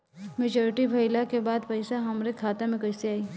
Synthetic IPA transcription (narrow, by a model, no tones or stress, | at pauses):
meːd͡ʒɔːɾɪʈibʱɐɪlakebaːd̪pɐɪsaɦɐmɾekʰaːt̪amẽkɐɪseaːiː